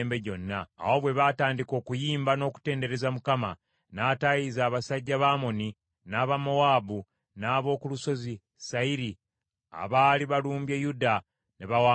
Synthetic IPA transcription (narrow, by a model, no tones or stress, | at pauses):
mbe̞ɟo̞nːa̰ːho̞βwe̞βaːtaːndiko̞ːkujiːmbano̞ːku̥te̞ːnde̞ɾe̞zamukama | naːtajizaːβasaɟːaβaːmo̞ni | naːβamo̞waːbu | naːβo̞ːkuluso̞zi | saiɾi | a̰βaːliβaluːmbjejuda | neβawa